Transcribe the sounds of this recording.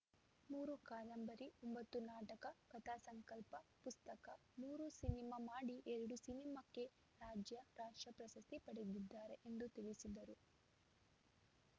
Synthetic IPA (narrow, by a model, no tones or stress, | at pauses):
muːɾukaːlɐmbɐɾiɔmbɐt̪ːunaːʈɐkɐkɐt̪aːsɐŋkɐlpɐpust̪ɐkɐ | muːɾusinimaːmaːɽiʔɛɾɐɽusinimɐkːe̞ | ɾaːd͡ʒjɐɾaːʂʈɾɐpɾɐsɐst̪ipɐɽed̪id̪ːaːɾe̞ʔend̪ut̪iɭisid̪ɐɾu